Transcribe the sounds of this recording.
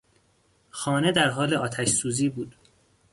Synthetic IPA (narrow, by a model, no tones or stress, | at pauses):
xɒːne̞d̪æɾɦɒːleɒːt̪ʰæʃsuːziːbuːd̪̥